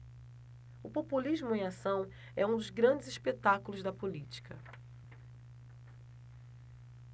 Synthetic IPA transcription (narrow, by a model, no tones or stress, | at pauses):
ʊpopuliʒmʊẽasɐ̃w̃ | ɛũd̪ʊzɡɾɐ̃d͡ʒɪziʃpet̪akʊlʊzd̪ɐpolit͡ʃi̥kɐ̰